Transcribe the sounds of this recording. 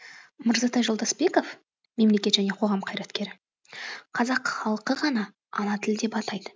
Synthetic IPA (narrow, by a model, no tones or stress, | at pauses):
məɾzɑt̪ɑjʒolˠd̪ɑsbe̞ko̞f | me̞mle̞kʲe̞t̪ʒæne̞qʰo̞ʁɑmqʰɑjɾɑt̪kʲe̞ɾɪ | qʰɑzɑqχɑlˠəqəʁɑnɑ | ɑnɑt̪ʰɪld̪e̞pɑt̪ɑjd̪ə